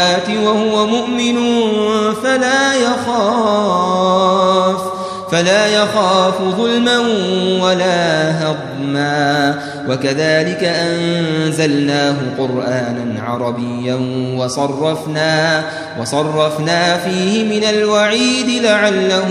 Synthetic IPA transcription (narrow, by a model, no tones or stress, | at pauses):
aːt̪ɪwahʊwamʊʔmɪnʊnfalaːjaxaː | f | falaːjaxaːfʊðˤʊlmanwalaːɦaɣ | maː | wakaðaːlɪkaʔanzalnaːɦʊqʊɾʔaːnanʕɑ̰ɾˤɑbɪjːanwɑsˤɑrˤːɑfnaː | wɑsˤɑrˤːɑfnaːfiːhɪmɪnalwaʕiːd̪ɪlaʕalːa